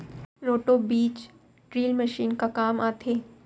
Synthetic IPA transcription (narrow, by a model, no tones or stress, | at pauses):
ɾoːʈobiːt͡ʃ | ɖɾiːlməʃiːnkakaːmaːt̪ʰeː